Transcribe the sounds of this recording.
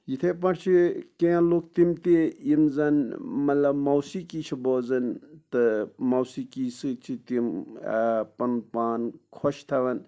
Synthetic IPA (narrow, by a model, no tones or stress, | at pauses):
jit̪ʰepɐʈt͡ʃʰikeãlok̚t̪imt̪eimzɐnmɐt̪lɐbmawsikit͡ʃʰibɔːzɐnt̪ɨmawsikiːsɨt͡ʃʰit̪im | pɐnpaːnkʰɔʃt̪ʰɐʋɐn